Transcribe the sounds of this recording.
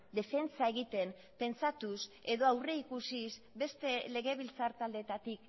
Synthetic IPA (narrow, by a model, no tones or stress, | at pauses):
d̪e̞fe̞nt͡sae̞ɣit̪e̞m | pe̞nt͡sat̪use̞ðo̞awre̞ikusis | be̞st̪e̞le̞ɣe̞β̞ilt͡saɾt̪ald̪e̞t̪at̪ik